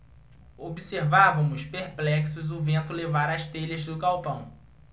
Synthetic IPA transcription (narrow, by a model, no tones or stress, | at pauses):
obiseɾvavɐ̃mʊspeɾplɛksʊzʊvẽnt̪ʊlevaɾɐst̪eʎɐzd̪ʊkawpɐ̃w̃